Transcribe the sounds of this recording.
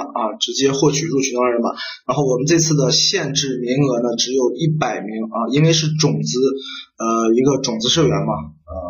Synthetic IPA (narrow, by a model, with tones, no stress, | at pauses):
ɐ˧ʈ͡ʂɻ̩˧˥t͡ɕjɛ˥xwɔ˥˩t͡ɕʰy˨˩ɻu˥˩t͡ɕʰy˧˥nt̪ɑ˥ŋɻə˧˥bɐ̰˧ɻa˧˥nxo˥˩ʊwɔ˨˩mə˦nʈ͡ʂɤ˥˧ɪt͡sʰɹ̩˥˩d̪ə˩ɕjɛ˥˧nʈ͡ʂɻ̩˥˩mi˧˥ŋɤ˧˥nə˧ʈ͡ʂɻ̩˧˥jo˨˩ʊi˥˩pa˨˩ɪmi˧˥ŋɐ˧i˥nwe˥˧ɪʂɻ̩˥˩ʈ͡ʂʊ˨˩ŋt͡sɹ̩˧˥ə˧i˧˥ɡə˧ʈ͡ʂʊ˨˩ŋt͡sɹ̩˧˥ʂɤ˥˩ɥɛ˧˥nmɐ˧ə˥˧